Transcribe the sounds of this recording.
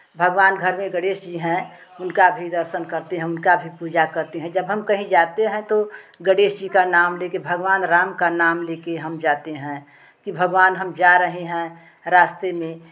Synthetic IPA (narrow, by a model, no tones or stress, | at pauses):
bʱəɡʋaːnɡʱəɾmẽɡəɽeːʃd͡ʒiɦɛ̃ʊnkabʱid̪əɾʃənkəɾt̪eɦɛ̃ʊnkabʱipuːd͡ʒakəɾt̪eɦɛ̃d͡ʒəbɦəmkəɦĩd͡ʒaːt̪eɦɛ̃t̪oɡəɽeːʃd͡ʒikanaːmlekebʱəɡʋaːnɾaːmkanaːmlekeɦəmd͡ʒaːt̪eɦɛ̃ | kibʱəɡʋaːnɦəmd͡ʒaɾəɦeɦɛ̃ | ɾaːst̪emẽ